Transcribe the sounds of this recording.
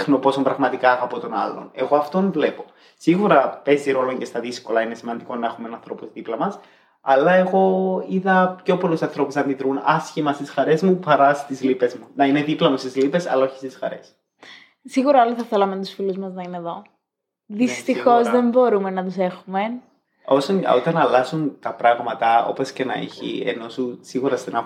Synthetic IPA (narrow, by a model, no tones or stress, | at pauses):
xnopo̞sombɾɐɣmɐt̪ikɐɐpo̞t̪o̞nɐ̰lːo̞̰ne̞̰ɣo̞ɐft̪omvle̞po̞ | siɣuɾɐpe̞ziɾo̞lo̞ɲcest̪ɐðisko̞lɐine̞simɐnd̪iko̞nɐe̞xumenɐnθɾo̞puzðiplɐmɐs | ɐlɐe̞ɣo̞iðɐpço̞polusɐnθɾo̞pusɐnd̪iðɾunɐsçimɐst̪isxɐɾe̞zmupɐɾɐst̪izlipe̞zmunɐine̞ðiplɐmust̪izlipe̞sɐ̰lɐo̞çi̥st̪isxɐ̰ɾe̞̰s | siɣuɾɐoliθɐθelɐment̪u̥sfiluzmɐznɐineðo̞ | ðist̪ixo̞zðe̞mbo̞ɾume̞nɐt̪use̞xume̞ | o̞sonot̪ɐnɐlɐsunt̪ɐpɾɐɣmɐt̪ɐo̞̰po̞sce̞nɐ̰ḭçḭḛno̞susiɣuɾɐst̪enɐ